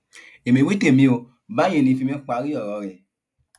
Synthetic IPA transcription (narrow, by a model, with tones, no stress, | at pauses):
e˨mĩ˨wi˦te˦˨mĩ˧o˧ | ba˨˦j̃ĩ˧˨lĩ˧fi˧mɛ̃˦k͡pa˨˧˦ɾi˦ɔ˦˨ɾɔ˨˦ɾɛ˨